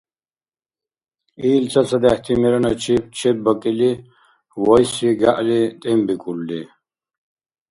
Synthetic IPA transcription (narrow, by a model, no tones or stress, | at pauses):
iːlt͡sʰɐsʰɐd̪ɛht̪ʰimɛɾɐnɐt͡ʃʰip̚t͡ʃʰɛb̚bɐkʼili | wɔjsiɡaʔlit̪ʼɛmbikʼulːi